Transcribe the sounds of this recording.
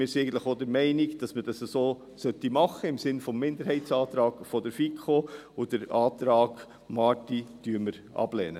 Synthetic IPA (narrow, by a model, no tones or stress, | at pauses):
mɪːɾsiɛɪɡn̩tlə̥χodəɾmɛɪnikd̥ɑsməd̥ɑsəsoː | sœt̪ːimɑχːəɪmsɪnfɔmːɪndəɾhɛɪtsɑːt̪ɾɑːɡfɔdəɾfikʰχoʊd̥əɾɑːt̪ɾɑːɡ̥ | mɑtid̥yːəɾməɾ | ʔɑ̰b̥lɛ̰nə